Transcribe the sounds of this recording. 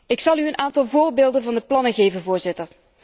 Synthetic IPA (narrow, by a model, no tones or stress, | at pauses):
ɪksɑlˠyənʔaːntɑlˠvoːɹbeːlˠdənvɑndəplɑnəɣeːvənvʊːɹzɪtər